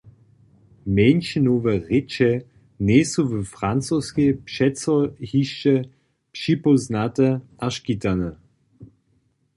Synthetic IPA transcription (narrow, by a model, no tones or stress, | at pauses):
menʃənovəʁɪt͡ʃə | nesovəfʁant͡soskepʃɛt͡sɔhiʃə | pʃipoznatəʔaʃkitanə